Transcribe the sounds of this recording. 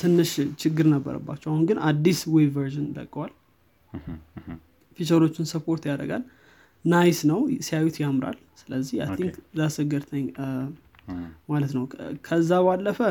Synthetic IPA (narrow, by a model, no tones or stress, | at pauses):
t̪ʰɨnːɨʃt͡ʃʰɪɡːɨɾnəbːə̰ɾə̰bːa̰t͡ʃːɛwahunɡɨnʔa̰d̪ːiswevəɾʒɪnd̪ə̰kʼwal | fit͡ʃəɾo̞t͡ʃːɪnsəpʰo̞ɾt̪jaɾə̰ɡa̰l | najsnəwsijawut̪jamɾa̰l | sɨləzːihajt̪ʰiŋkzasɨɡəɾt̪ʰəɲː | malət̪nəwkʰəzːabalːəfə